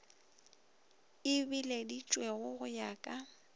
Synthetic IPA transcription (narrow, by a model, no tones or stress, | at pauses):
ɪbiledit͡ʃʼweɣʊɣʊjaːkʼa